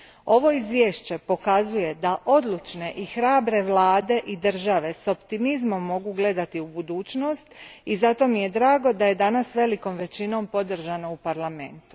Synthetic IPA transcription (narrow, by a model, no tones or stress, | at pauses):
o̞ʋo̞izʋjeːʃt͡ɕe̞po̞kazuje̞d̪aʔo̞d̪lˠut͡ʃne̞ʔixɾaːbɾe̞ʋlˠaːd̪e̞ʔid̪r̩ʒaʋe̞so̞pt̪imizmo̞mːo̞ɡuɡle̞d̪at̪iubud̪uːt͡ɕno̞st̪izat̪o̞mije̞d̪ɾaːɡo̞d̪aje̞d̪anasʋe̞liko̞mʋe̞t͡ɕino̞mpo̞d̪r̩ʒanoupaɾlame̞̰nt̪u̥